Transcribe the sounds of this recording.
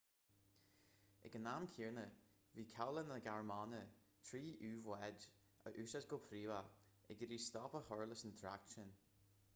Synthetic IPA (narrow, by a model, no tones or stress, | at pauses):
ɪ̰ɡənamkʰiːɹnə | viːkʰawlənəɡaɹmɑnə | t̪ʰɹiːʔʉːvwɛd | ə̰ʔʉːʃatɡʊlpʰɾiːva | ɪɡəɾiːst̪ɑːpəhɔɹləsənt̪ʰɾa̰kʃən